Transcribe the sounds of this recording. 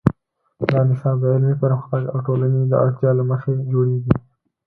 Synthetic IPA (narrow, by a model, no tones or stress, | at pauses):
d̪ɑːnɪsɑd̪əɪlmepəɾamxaka̰wʈolaned̪ə̰ʔa̰ʈt̪jɑlaməxed͡ʒoɽeɡi